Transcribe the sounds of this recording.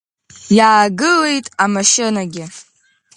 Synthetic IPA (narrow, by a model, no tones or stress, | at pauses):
jaːɡɨle̞jtʼamaʃɪnaɡʲɪ